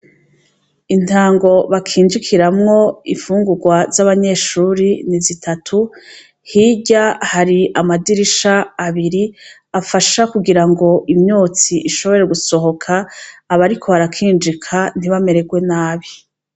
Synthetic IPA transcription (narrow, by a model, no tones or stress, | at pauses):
in̥taːŋɡo̞βakʰiːnd͡ʒikʰiɾamŋo̞ifuːŋɡuɡwazaβaɲe̞ːʃuːɾinizitʰatʰu | hiɟahaɾiʔamadiɾiʃaːβiɾi | afaʃakuɡiɾaŋɡo̞ʔimɲoːt͡siʔiʃo̞βo̞ɾe̞ɡuso̞ɦo̞kʰaːβaɾikʰo̞βaɾakʰiːnd͡ʒikʰan̥iβame̞ɾe̞ɡwe̞naːβi